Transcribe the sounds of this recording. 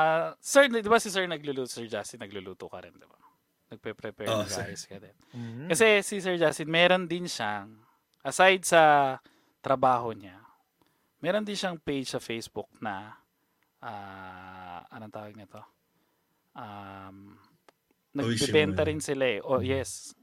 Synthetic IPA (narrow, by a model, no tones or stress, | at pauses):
asɛɹd̪ɪbasɪsɛɹnɐɡluluːt̪sɛɹd͡ʒast̪ɪnːɐɡluluːt̪okɐɾɪnd̪ɪba | nɐɡ̚pɛpɾɛpɛɹnɐŋɡaːjɛskɐd̪ɛnɐsɛsisɛɹd͡ʒast̪ɪnmɛːɾo̞nd̪ɪnʃaŋ | ʔɐsajd̪̚sɐ | t̪ɾɐbaːɦo̞ɲa | mɛːɾo̞nd̪ɪnʃaŋpejd͡ʒsɐfejsbʊk̚nɐ | ʔaː | ʔɐnoŋt̪aːwɐɡ̚nɛt̪o̞ | ʔam | nɐɡbɛbɛnt̪ɐɾɪnsɪlaɛʔojɛs